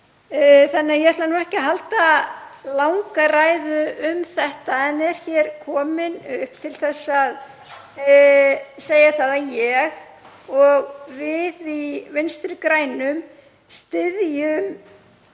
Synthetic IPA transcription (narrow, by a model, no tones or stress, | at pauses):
θanːɪajɛɛt̪lanuːɛhcɪaɦalt̪alawŋkaraːjðʏʏmθɛht̪aɛnɛɾ̥çɛɾ̥kʰɔːmɪnʏhp̚t̪ʰɪlθɛsːað | seːjaθaðajɛɣ | ɔɣvɪðivɪnst̪ɾʏkɾaːjnʏm | st̪ɪðjʏm